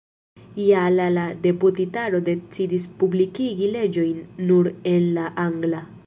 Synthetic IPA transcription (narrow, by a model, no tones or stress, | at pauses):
jalalade̞putitaɾo̞de̞t͡sidispublikiɡile̞d͡ʒo̞jnːuɾe̞nlaʔaŋɡla